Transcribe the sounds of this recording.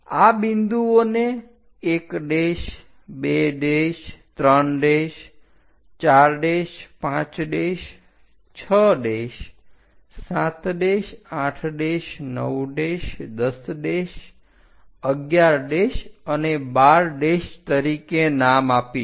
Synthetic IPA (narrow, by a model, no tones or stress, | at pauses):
abind̪uoneː | kɖeʃ | beɖeʃt̪ɾəɳɖeʃ | t͡ʃaɾɖeʃpãt͡ʃɖeʃ | t͡ʃʰəɖeʃ | sãt̪ɖeʃãʈʰɖeʃnə̰wɖeʃd̪əsɖeʃ | əɡjaɾɖeʃənebaɾɖeʃt̪əɾikenamapi